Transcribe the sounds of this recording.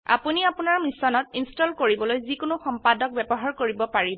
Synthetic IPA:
a̰puniapʊnaɹmisɔnɔtinstɔlkoɹibɔlojzikʊnʊxɔmpadɔk̚bɛbɔɦaɹkoɹibɔpaɹibɔ

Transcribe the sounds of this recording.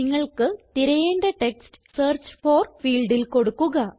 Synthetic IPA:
iŋːɐɭkɨt̪iɾɐjeːɳɖeʈeksʈɨseːrt͡ɕːfo̞ːrfiːlɖilko̞ɽukːuɣɐ

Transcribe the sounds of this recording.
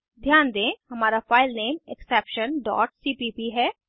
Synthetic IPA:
d̪ʱjaːnd̪ẽːhɐmaːɾafaːɪlneːmɛksɛːpʃənɖɔ̰ːʈ̚siːpiːpiɦɛː

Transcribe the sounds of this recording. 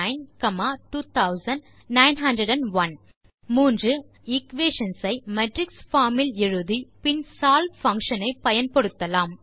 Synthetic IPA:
ɪnkɐmaːʈuːt̪ʰɐʊsɐnɖ | nɐɪnɦɐndɾɐɖɐnʋɐn | muːndrɯ | ɪkʋeːʂɐnsɐɪmɛʈɾɪksfaːmɪlɪɻɯðipɪnsaːlfɐŋkʂɐnɐɪpːɐjɐnpɔɽɯt̪ːɐlaːm

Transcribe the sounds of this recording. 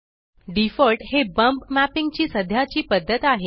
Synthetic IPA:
ɖifəlʈhebəmpmæpiŋɡt͡ɕiːsəd̪ʱjat͡ɕiːpəd̪ʱːət̪aɦe

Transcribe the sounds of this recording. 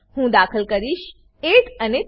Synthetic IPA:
hũːd̪aːkʰəlkəɾiʃ | ekəne

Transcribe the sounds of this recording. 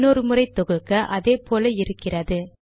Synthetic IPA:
nɔɾɯmɯrɐɪt̪ːɔɣɯkːɐʔɐðeːpoːlɐɪɾɯkːɪrɐðɯ

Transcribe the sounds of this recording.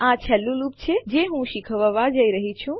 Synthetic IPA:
at͡ʃʰɛlulupt͡ʃʰed͡ʒeɦũʃikʰəʋəʋad͡ʒəiɾəɦit͡ʃʰũ

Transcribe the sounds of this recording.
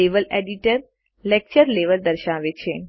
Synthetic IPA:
eʋəlɛɖiʈəɾ | lek̚t͡ɕəɾleʋəld̪əɾɕãʋet͡ɕʰen

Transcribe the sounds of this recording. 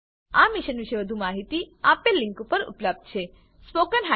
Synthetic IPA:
amiʃənʋiʃeʋəd̪ʱumaɦit̪iapelːɪ̃ŋkupəɾṵpləb̚d̪̚t͡ʃʰe | spokənɦa

